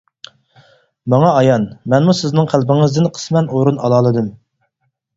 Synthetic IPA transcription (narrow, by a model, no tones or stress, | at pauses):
mɑŋɑɑjɑnmɛnmusɪznɪŋqʰælˠbɪŋəzd̪ɪnqʰə̥smɛnoɾunɑlˠɑːlˠɨd̪ɨm